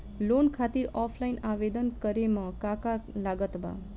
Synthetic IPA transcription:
lonkʰat̪iɾɔpʰlainaʋed̪ənkəɾemãkakalaɡət̪ba̰

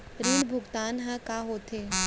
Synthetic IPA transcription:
ɾiɽbʱʊɡt̪aːnɦãkaɦoːt̪ʰe

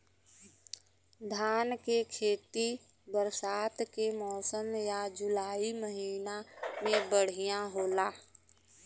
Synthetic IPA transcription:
d̪ʱaːnkekʰeːt̪i | bəɾsaːt̪kemɔːsəmjad͡ʒʊlaːiməɦiːnamẽbəɽ̤ijãɦoːlaː

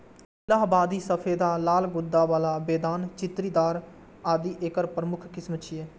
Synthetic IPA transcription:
ɪlaːɦbaːd̪iːsəpʰeːd̪aːlaːlɡʊd̪ːaːʋaːlaːbeːd̪aːnt͡ʃɪt̪ɾiːd̪aːɾ | aːd̪iːʔeːkəɾpɾəmʊkʰkɪsmət̪ʃʰieː

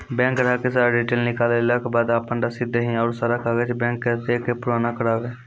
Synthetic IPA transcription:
bɛ̃ːŋkɾaːkesaːɾɖeːʈelnɪkaːlelaːkbaːd̪aːpəɳɖaːsɪd̪eɦĩːɔːɾsəɾakʰaːɡet͡ʃbɛ̃ːŋkːəɾt̪ekepʊɾoːnaːkəɽaːʋeː

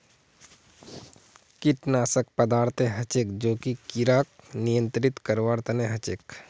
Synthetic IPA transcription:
kɪʈnaːsək̚pəd̪aːɾt̪ʰeɦɐt͡ʃekd͡ʒoːkikiɾaːk̚nijə̃nt̪ɾɪt̪kəɾʋaːɾt̪ʰəneɦɐt͡ʃek

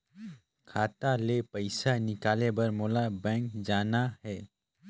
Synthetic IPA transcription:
kʰaːt̪alepɐɪsanɪkaːlebəɾmoːlabɛ̃ːŋkd͡ʒaːnaɦɛː

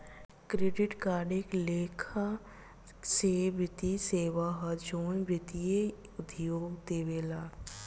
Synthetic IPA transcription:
kɾeːɖɪʈkaːɾɖekleːkʰa | sebɪt̪iseːʋaɦɐd͡ʒoːnbɪt̪ije | ʊd̪joːɡd̪eːʋeːlaː

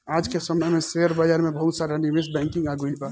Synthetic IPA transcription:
aːd͡ʒkesɐmnəmẽseːəɾbad͡ʒaɾmẽbɐɦʊt̪saːɾaniʋesbɛ̃ːŋkɪ̃ŋɡaːɡulba

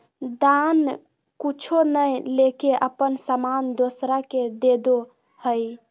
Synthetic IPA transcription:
d̪an | kut͡ʃʰonəjlekeʔəpənsəmand̪osɾaked̪ed̪o | həj

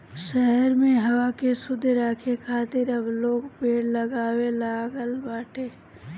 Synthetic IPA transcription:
ʃɛɦəɾmẽɦɐwakesʊd̪ʱɾaːkʰekʰaːt̪ɪɾɐbloːɡpeːɽlɐɡaːwelaːɡəlbaːʈʰeː

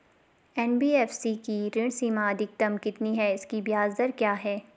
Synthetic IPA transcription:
ɛːnbiːɛːfsikiɾɪɽ̃siːmaɐd̪ɪk̚t̪ɐmkɪt̪niɦɛɪskibijaːzd̪əɾkjaːɦɛː

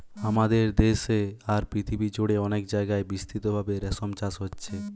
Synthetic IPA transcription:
amad̪eɾd̪eʃeaɾpɾit̪ʰibid͡ʑoɽeɔnekd͡ʑaeɡaebist̪ʰɾit̪obʱabeɾɛsomt͡ɕaʃɦotːɕʰe

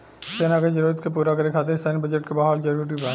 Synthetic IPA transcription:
seːnaked͡ʒɐɾoːt̪kep̬uːɾakɐɾekʰaːt̪eɾsaːnbəd͡ʒəʈ̚kebaːɦɔːld͡ʒɐɾuɾʈ̬ibɛ̃

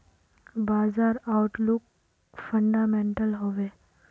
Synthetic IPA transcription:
baːzaːɾaʊʈlʊk̚ | fə̃ɳɖaːmẽːɳʈəlɦoːʋeː

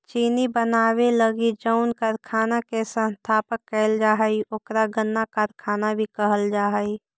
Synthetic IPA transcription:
t͡ʃiːnibənaːweləɡid͡ʒəʊnkəɾkʰaːnakesə̃nst̪ʰaːpəkːɛɪld͡ʒaːɦəiʔokɾaɡənːakaɾkʰaːnabʱikəɦəld͡ʒaːɦəi

